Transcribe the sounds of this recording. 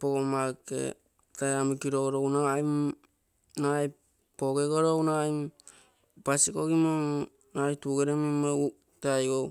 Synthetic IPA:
poɡomakḛ | tajamikiɾoɡɾownaajm | naj | poɡeɡoɾownajm | pasikoɡimoŋ | najtuɡeɾemimau | tajɡow

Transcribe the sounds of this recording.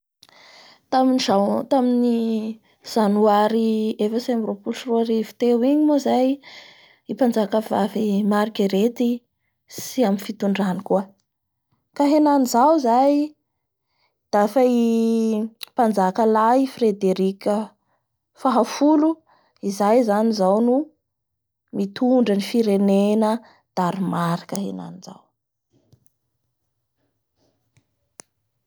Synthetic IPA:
t̪aminizat̪amini | z̥anuaɾiefəsaamropulusruaɾivi̥t̪ewiɲimozaj | ipand͡zakəvavimaɾikiɾet̪i | siaminfit̪uɳɖ͡ʐanikuə | kaɦenanizawzaj | d̪̥afai | pand͡zakəlajifred̪eɾikʲə | faɦafulu | izajzanizawnu | mit̪ʰuɳɖ͡ʐənifiɾenenə | d̪̥aɾimaɾi̥kaɦḛna̰niz̥a̰w

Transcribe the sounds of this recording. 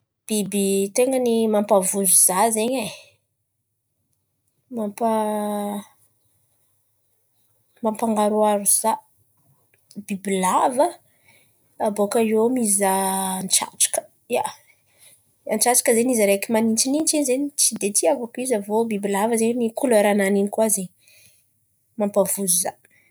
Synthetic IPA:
b̥ibit̪eŋənimampavuzuz̥azeɲe | mampə | mampaŋɡaɾuaɾuz̥a | bibilavə | abokajomizanʈ͡ʂa̰ʈ͡ʂḁkə̥ | ja̰ | ant͡ʃaʈ͡ʂḁkəzenizaɾekimanint͡ʃinint͡ʃinzenit͡sid̪et̪ʰiavakizəvobibilavəzenikuleɾananinikwaze | mampəvuzuza

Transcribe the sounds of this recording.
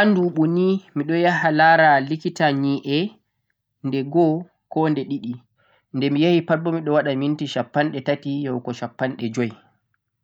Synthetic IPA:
ʔanduɓunimiɗɔjaɦalaɾalikitaɲiʔɛ | ndɛɡɔ | kɔndɛɗiɗi | ndɛmijahipabːɔmiɗɔwaɗamintiʃapːanɗɛtatijɔwkɔʃapːanɗɛd͡ʒɔj

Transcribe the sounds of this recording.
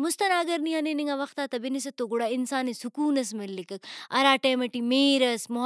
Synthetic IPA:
mʊst̪ɐnaːɐɡɐɾnianeniŋɡɐʋɐxt̪aːt̪ɐbinis̬ɐt̪ːoɡuɽaːɪnsaːnisukuːnɐs̬melːikɐk̚ɐɾaːʈeːmɐʈimeːɾɐsmʊɦ

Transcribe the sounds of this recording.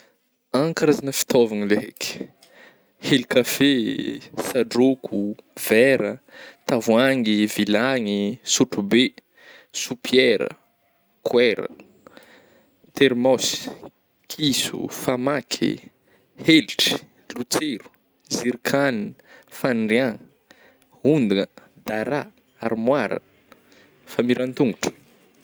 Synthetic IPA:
aŋkaɾazanəfi̥t̪ovanileɦḛki̥ | helikafesaɖ͡ʐokʰuv̥ɛɾət̪avuaŋivilaŋisuʈ͡ʂube | supʰjɛɾə̰ | kʰwɛɾə̰ | t̪eɾmos | kʰisṵfamakʰḭ | helʈ͡ʂi̥ | lut͡seɾu̥ | ziɾkʰanfanɖ͡ʐiã | und̪unə | d̪aɾa | aɾmwaɾə̰ | famiɾant̪uŋɡuʈ͡ʂə̥

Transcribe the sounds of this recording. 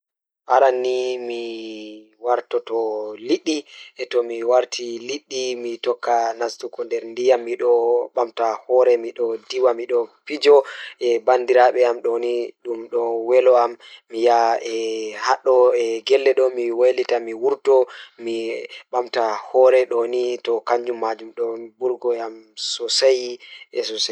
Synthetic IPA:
ʔaɾanːimi | waɾtɔtɔliɗːiɛtɔmiwaɾtʰiliɗːimitɔkːanastukɔndɛɾndijamːiɗɔɓamtahɔːɾɛmiɗɔdiwamiɗɔpid͡ʒɔɛbandiɾaɓɛamɗɔniɗumɗɔwɛlɔamːijaɛhaɗːɔɛɡɛlːɛɗɔmiwalitamiwuɾtɔmiɓamtahɔɾɛɗɔnitɔkaɲd͡ʒumːad͡ʒumɗɔbuɾɡɔjamsɔsajɛsɔsa

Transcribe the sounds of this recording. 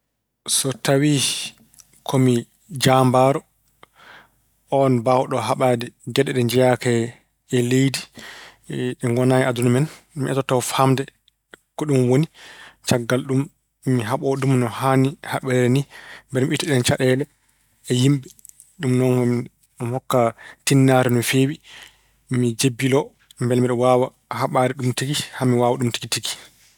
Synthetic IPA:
sɔtawi | kʰɔmi | d͡ʒambaɾɔ | ɔnbawɗɔɦaɓadɛɡɛɗɛɗɛnd͡ʒɛjaka | ɛlejdi | ɛŋɡɔnajɛadunmɛn | miʔɛtɔtawfamdɛ | kɔɗumwonit͡ʃaɡːalɗumː | iɦaɓɔɗumnɔhanihaɓɛɾɛɾɛnimbɛlmiitːiɗɛnt͡ʃaɗɛːlɛː | jimɓɛ | ɗumnɔnɡɔm | hɔkːatinːaɾɛnɔfewi | mid͡ʒebːilɔ | mbɛlmiɗɔwaːwa | haɓaːɾɛɗumtiɡihamiwaːwaɗumti̥kitiɡi̥

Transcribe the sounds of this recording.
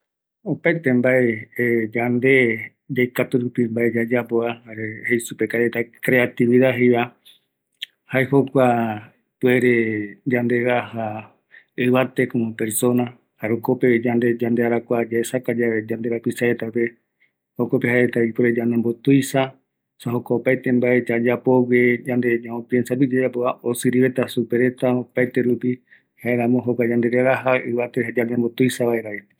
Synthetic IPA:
opaet̪embaed͡ʒand̪e̞ | d͡ʒajkat̪uɾupimbaed͡ʒad͡ʒapoahaɾehejsupekaɾet̪akɾe̞at̪iβiðaɦejβa | haehokʷa | pweɾed͡ʒand̪e̞ɾaha | ɨβat̪e̞komopeɾso̞na | haɾokoped͡ʒand̪e̞d͡ʒand̪eaɾakʷad͡ʒaesakad͡ʒaed͡ʒand̪e̞ɾapisaet̪ape̞ | hokope̞ɦaeet̪aipoɾed͡ʒanembo̞t̪ujsa | saɦokaopajt̪e̞mbaʔe̞t͡ʃad͡ʒapo̞wed͡ʒand̪e̞ɲãõpjensapid͡ʒed͡ʒapoaosɨɾiβe̞t̪asupe̞ɾe̞t̪aopajt̪e̞ɾupi | hae̞ɾãmõɦokʷad͡ʒand̪e̞ɾeɾaɦaɨβat̪ehad͡ʒand̪ẽmbot̪ujsaβaeɾae

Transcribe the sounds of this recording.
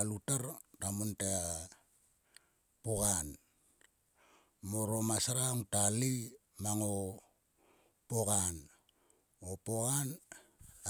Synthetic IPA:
alutaɾtamontea | poɡan | moɾo̞masaɾaŋtali | maŋo | poɡan | opoɡan

